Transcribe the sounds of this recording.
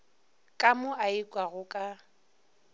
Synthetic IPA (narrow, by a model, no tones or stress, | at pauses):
kʼamʊʔaikʼwaɣʊkʼa